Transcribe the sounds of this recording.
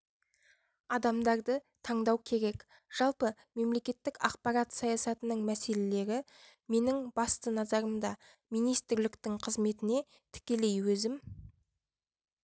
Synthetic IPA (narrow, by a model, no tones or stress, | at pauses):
ɑd̪ɑmd̪ɑɾd̪ə | t̪ʰɑɴd̪ɑwkʲʰe̞ɾe̞k | ʒ̥ɑlˠpə | me̞mle̞kʲe̞t̪ːɪkɑq̚pɑɾɑt̪sɑjɑsɑt̪ənəɴmæse̞le̞le̞ɾɪ | me̞nɪŋbɑst̪ənɑzɑɾəmd̪ɑ | mijnijst̪ɪɾlɪkt̪ɪŋqʰəzme̞t̪ɪne̞ | t̪ʰɪ̥kʲe̞le̞jwɵzɪm